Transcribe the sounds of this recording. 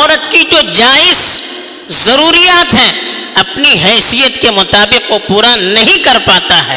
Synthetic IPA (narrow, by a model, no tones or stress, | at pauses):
ɔːɾət̪kid͡ʒoːd͡ʒaːɪz | zɐɾuːɾijaːt̪ɦɛ̃ | ɐpniɦɛːsijət̪kemʊt̪aːbɪqopuːɾanɐɦĩkɐɾpaːt̪aɦɛː